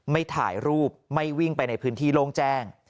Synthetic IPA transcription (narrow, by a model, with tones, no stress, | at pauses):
ma˥˩jt̪ʰa̰ː˩˦jɾuː˥˩p̚ma˥˩jwi˥˩ŋpa˧jna˧jpʰɯː˦˥nt̪ʰiː˥˩loː˥˩ŋt͡ɕɛː˥˩ŋ